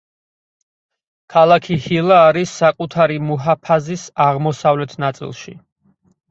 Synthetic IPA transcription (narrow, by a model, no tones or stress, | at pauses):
kʰalˠakʰihilˠaːɾisːakʼut̪ʰaɾimuɦapʰazisaʁmɔsavlɛt̪ʰnat̪sʼḭlˠʃḭ